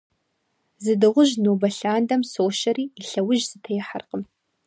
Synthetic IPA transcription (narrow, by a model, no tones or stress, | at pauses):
zɨdɨʁʷʊʒnoːbɐɬaːndɐmsoːʃɐriːɬɐwʊʒz̥ɨtʰɐjɪħarqəm